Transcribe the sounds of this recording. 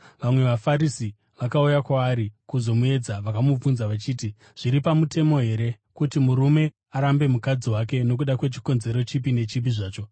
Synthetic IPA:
ʋamwe̞ʋafaɾisi | ʋakaujakwaːɾikuzo̞mue̞d͡zaʋakamub͡vunzaʋat͡ʃiːti | ʐ̥iɾipamute̞mo̞ɦe̞ɾe̞ | kutimuɾume̞ | aɾambe̞mukad͡ziwak̬e̞no̞k̬uɗakwe̞t͡ʃi̥ko̞nze̞ɾo̞t͡ʃipine̞t͡ʃip̬iʐaːt͡ʃo̞

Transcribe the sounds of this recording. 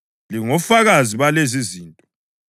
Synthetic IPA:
liŋɔfaɣaziβaleziziːntʼɔ

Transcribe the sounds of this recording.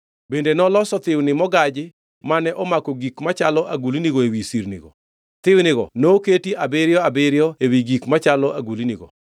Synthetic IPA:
bendenɔlɔsɔt̪ɪwnɪmɔɡad͡ʒɪ | manɛʔɔmakɔɡikmat͡ʃalɔʔaɡuliniɡoewisiɾnḭɡɔ̰ | t̪ɪwnɪɡɔ̰noketiʔabeɾjɔabeɾɪjɔewiɡikmat͡ʃalɔʔaɡuliniɡɔ̰

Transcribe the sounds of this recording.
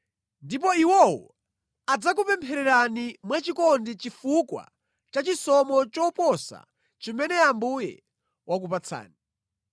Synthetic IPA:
ndip̬ɔiwɔwɔ | ad͡zak̬upɛmpʰɛɾɛɾanimwat͡ʃikɔndit͡ʃifukwa̰ | t͡ʃat͡ʃisɔmɔt͡ʃɔpɔsa̰ | t͡ʃimɛnɛambujɛ̰ | wakup̬at͡sʰa̰ːni

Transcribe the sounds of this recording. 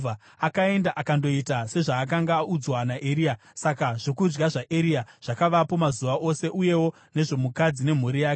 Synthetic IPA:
a | akae̞ndaʔakando̞itase̞ʐaːkaŋɡaud͡zwanaʔeɾia | sakaʐ̥o̞kud͡ʒɡaʐaʔeɾiaʐ̥akaʋapo̞mazuʋaʔo̞se̞ʔuje̞wo̞ | ne̞ʐo̞mukad͡zine̞m̤urijaːkee

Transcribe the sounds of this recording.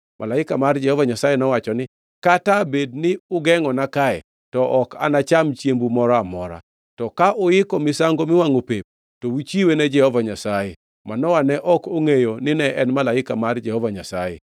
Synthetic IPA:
mʔa̰laɪkamard͡ʒɛhɔvaɲasajenɔwat͡ʃɔnɪ | katabed̚nɪʊɡɛŋɔnakaɛ | tɔʔɔka̰nat͡ʃamt͡ʃjembumɔɾɔamɔɾa̰ | tɔkaʔʊjɪkɔmɪsaŋɡomɪwaŋopep̚ | towit͡ʃiwenɛd͡ʒɛhɔvaɲasaje | manɔwanɛʔɔkoŋejonɪnɛʔɛnmalaɪkamard͡ʒɛhɔvaɲasajḛ

